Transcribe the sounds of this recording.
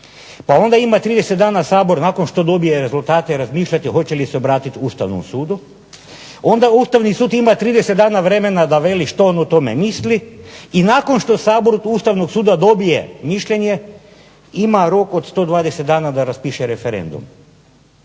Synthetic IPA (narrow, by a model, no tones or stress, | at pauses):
pao̞nd̪aimat̪ɾiːd̪eset̪d̪aːnasaːbo̞ɾnako̞nʃt̪o̞d̪o̞bije̞ɾe̞zulˠt̪aːt̪eɾazmiːʃʎat̪iho̞t͡ɕe̞liseobɾaːt̪it̪uːst̪a̰ʋno̰msuːd̪u | o̞nd̪auːst̪aʋnisuːd̪imat̪ɾiːd̪eset̪d̪aːnaʋɾe̞me̞nad̪aʋe̞liʃt̪oonot̪o̞me̞̰misliinaːko̞nʃt̪o̞saːbo̞ɾuːst̪aʋno̞ɡsuːd̪ad̪o̞bije̞̰miʃʎeɲe̞ | imaɾo̞ko̞d̪st̪o̞ːd̪ʋaːd̪eset̪d̪aːnad̪aɾaspiʃeɾefeɾḛnd̪ṵm